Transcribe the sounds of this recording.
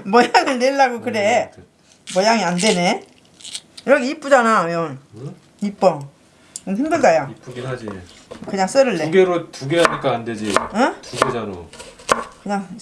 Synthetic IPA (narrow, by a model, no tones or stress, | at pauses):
mʌjaŋɯɭneɭːaɡokɯɾe | mʌjaŋiandene | iɾʌkʰeip͈ud͡ʑanajʌn | ip͈ʌ | onɦimdɯɭdajaipuɡiad͡ʑi | kɯɲaŋs͈ɯɾɯɭːeɡeɾotuɡeaɲik͈aːnded͡ʑietuɡed͡ʑaɾo̰ | kɯɲaŋ